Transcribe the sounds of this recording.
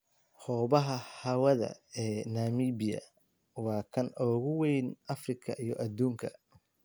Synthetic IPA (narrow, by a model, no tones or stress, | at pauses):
hɔːβɐɦɐhɐwɐðɐ̰ɛːnaːmiːbɪjɐ̰ | wɑːkʰɐnɔːɣʊwɛjnɐfrɪkʰɐʔijɞʔɐd̪uːŋkʰɐ